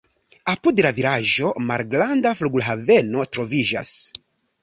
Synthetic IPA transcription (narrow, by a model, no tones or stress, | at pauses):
apudlaviɾaʒo̞maɾɡɾandafluɡulɦave̞no̞tɾo̞vid͡ʒa̰s